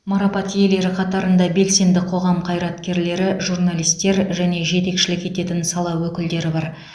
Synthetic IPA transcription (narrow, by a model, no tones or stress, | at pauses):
mɑɾɑpɑt̪je̞le̞ɾɪqʰɑt̪ɑɾənd̪ɑbe̞lse̞nd̪ɪqʰo̞ʁɑmqʰɑjɾɑt̪kʲe̞ɾle̞ɾɪʒurnalˠijst̪e̞ɾʒæne̞ʒe̞t̪e̞kʃɪlɪke̞t̪e̞t̪ɪnsɑlˠɑwwɵkʲɪld̪e̞ɾɪbɑɾ